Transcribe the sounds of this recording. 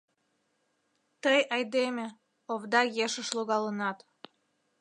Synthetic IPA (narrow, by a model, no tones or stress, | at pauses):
t̪əjɑjd̪emʲĕ | oβd̪ɑjeʃəʃloɣɑlənɑt̪